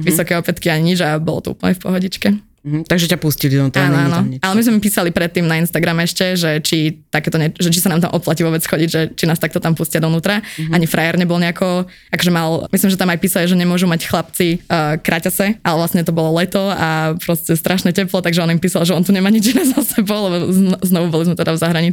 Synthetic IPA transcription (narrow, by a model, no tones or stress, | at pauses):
ʋisɔkɛjɔpɛt̪kiaɲiɲid͡ʒabɔ̰lɔ̰t̪ɔ̰ṵːpl̩ɲɛfpɔ̰ɦɔɟit͡ʃkɛ | t̪aɡʒɛcapuscilid̪ɔt̪ɔanɔaːnɔalɛmizmɛimpiːsalipɾɛt̪ːiːmnainst̪aɡɾamɛɛʃcɛʒɛt͡ʃit̪akɛːt̪ɔɲɛʒɛt͡ʃisanaːmt̪amʔɔplaciʋɔʋɛt͡sxɔɟiɟʒɛt͡ʃinaːst̪akt̪ɔt̪ampuscɪad̪ɔnuːt̪ɾaaɲifɾʔajɛɾɲɛbɔlɲɛakʰɔ | akɔʒɛmalmislimʒɛt̪amajpiːsaliʒɛɲɛmʊɔʒumacxlap̚t͡sikɾacasɛʔalɛʋlasɲɛt̪ɔbɔlɔlɛt̪ɔapɾɔscɛst̪ɾʔaʃnɛcɛplɔt̪aɡʒɛɔnimpiːsalˠʒɛɔnt̪uɲɛmaɲid͡ʒinɛzasɛbɔʊlɛbɔznɔʋubɔlizmɛt̪ɛd̪avzaɦɾaɲi